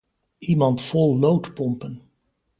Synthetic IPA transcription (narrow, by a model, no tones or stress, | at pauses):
imɑntfɔlˠːowtpɔmpən